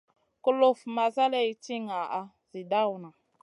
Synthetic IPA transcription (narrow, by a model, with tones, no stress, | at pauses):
kə˦lo˨fma˨za˦le˦jti˦ŋa˨ʔa˦ | zi˨da˦wna˨